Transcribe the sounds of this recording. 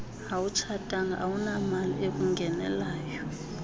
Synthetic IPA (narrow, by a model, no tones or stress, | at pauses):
awut͡ʃʰatʼaŋaʔawunamalḭek̬ʼuŋɡʱɛnɛ̰laːjɔ